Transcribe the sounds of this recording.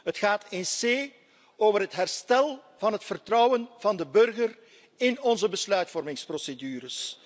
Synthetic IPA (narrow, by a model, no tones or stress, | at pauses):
ɦətxaːtʰɪnseː | oːvərɦətɦɛrstɛlˠ | vɑnɦətfərtrɔwənvɑndəbɵrɣər | ɪnɔnzəbəslœɥtfɔrmɪŋsprosedyːɾəs